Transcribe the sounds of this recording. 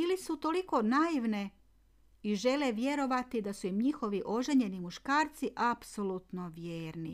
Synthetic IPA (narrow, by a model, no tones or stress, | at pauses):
ilisut̪o̞liko̞najiʋne̞ | iʒe̞leʋje̞ɾo̞ʋat̪id̪asuimɲixo̞ʋiʔo̞ʒe̞ɲe̞nimuʃkaːɾt̪siʔapsolˠut̪no̞ʋjeːɾnḭ